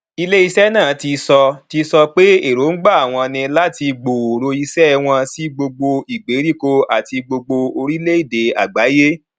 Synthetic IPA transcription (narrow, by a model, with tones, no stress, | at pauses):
i˧le˦i˧sɛ˦nãː˦˨˦ti˧sɔ˧ti˧sɔ˧k͡pe˦e˦˨ɾo˨˦ŋ̩˦ɡ͡ba˦˨a˨w̃ɔ̃˧nĩ˧la˦ti˧ɡ͡bo˨o˨ɾo˧i˧sɛ˦˧w̃ɔ̃˧si˦ɡ͡bo˧ɡ͡bo˧i˨ɡ͡be˨˦ɾi˦˨ko˧a˨ti˧ɡ͡bo˧ɡ͡bo˧o˧ɾi˦le˦i˦˨de˨a̰˨ɡ͡ba˨˦je˦